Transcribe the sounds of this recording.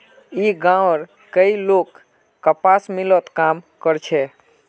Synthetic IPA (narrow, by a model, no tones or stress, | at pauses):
iɡãɾ | kəilokː | əpasmilət̪kamkəɾt͡ʃʰɛ